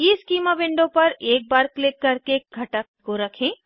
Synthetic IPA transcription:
ɪskiːmaʋɪ̃ɳɖõpɐɾeːk̚baːɾklɪkːɐɾkeɡʱɐʈək̚koɾɐkʰẽː

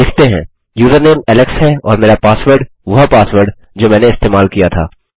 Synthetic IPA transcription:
d̪ɪkʰt̪eɦɛ̰̃ː | juːzəɾneːmɛlɛksɦɛɔ̰ːɾmeːɾapaːsʋəɾɖ | ʋɐɦpaːsʋəɾɖ | d͡ʒoːmɛ̃ːneɪst̪eːmaːlkijat̪ʰa̰ː

